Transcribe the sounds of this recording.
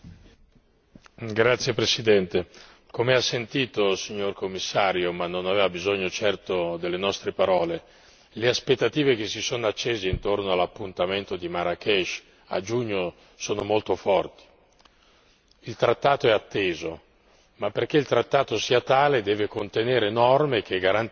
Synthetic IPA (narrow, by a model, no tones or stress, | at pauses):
ɡɾat̪sːjepɾesid̪ɛnt̪e | komeasːent̪iːt̪osiɲːorkomːisːaːɾjomanːonaveːvabizoɲːot͡ʃɛrt̪od̪elːenɔst̪ɾepaɾɔːle | leaspet̪ːat̪iːvek̟esːisoːnoat͡ʃːeːzeint̪ornoalːapːunt̪ament̪od̪imaɾakɛʃ | a̰d͡ʒuɲːo | soːnomolt̪ofɔrt̪i̥ | ilt̪ɾat̪ːaːt̪oɛat̪ːeːzo | mapːerk̟eilt̪ɾat̪ːaːt̪osiːat̪aːled̪ɛːvekont̪eneːɾenɔrmek̟ʰeɡaɾan